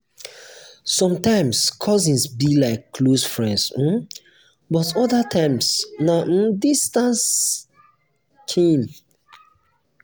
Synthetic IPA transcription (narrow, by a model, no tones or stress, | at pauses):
sɔ̃mtãɪ̃mskʰɔzĩnsbilaɪkːlosfɹɛ̃nds̩ | bɔtɔðatʰãɪ̃msnaʔ̩distãns | kʰĩn